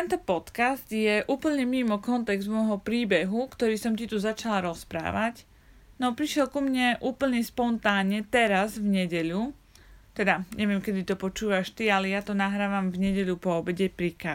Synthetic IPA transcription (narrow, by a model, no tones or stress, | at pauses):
t̪ɛnt̪ɔpɔt̪kazt̪jɛʔuːpl̩ɲɛmimɔkɔnt̪ɛɡzmɔjɦɔpɾiːbɛɦukt̪ɔɾiːsɔmcit̪uzat͡ʃalaɾɔspɾa̰ːʋac | nɔpɾiʃjɛlkumɲɛʔuːpl̩ɲɛspɔnt̪aːɲɛt̪ɛɾazvɲɛɟɛʎu | t̪ɛd̪aɲɛʋɪɛmkɛd̪it̪ɔpɔt͡ʃuːʋaʃt̪ialɛjat̪ɔnaɦɾaːʋamvɲɛɟɛʎupɔːbɛɟɛpɾika